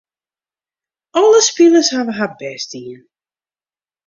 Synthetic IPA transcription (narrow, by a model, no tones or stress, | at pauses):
ʔɔlˠəspiləshavəɦabɛstiən